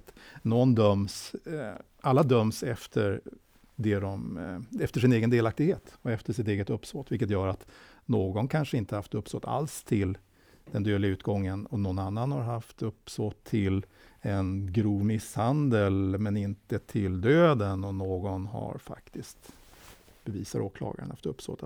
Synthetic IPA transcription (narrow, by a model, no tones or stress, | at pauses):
t̪nɔnd̪œms | ʔalːad̪œmsɛft̪ʰəɾ | d̪ɛd̪ɔmɛft̪əʂɪneːɡənd̪eːlak̚t̪ɪɡheːt̪ɔɛft̪əʂɪt̪eːɡət̪ɵpːsoːt̪vɪlkət̪jœːɾat̪noːɡɔnkʰanʂəɪnt̪əhaft̪ɵpːsoːt̪ʰa̰lst̪ʰɪl | d̪̥ɛnd̪øːd̪lɪaʉ̟ːt̪ɡɔŋːənɔnɔnanːanhaɾɦaft̪ɵpːsot̪ʰːɪlɛnɡɾuːvmɪshand̪əlmɛnɪnt̪ət̪ʰɪld̪øːd̪ənɔnoːɡɔnɦa̰ɾfa̰kt̪ʰɪskt̪ | b̥ɛviːsaɾʔo̰ːkʰlɑ̰ːɡa̰əɳa̰ft̪ɵpːso̰ːt̪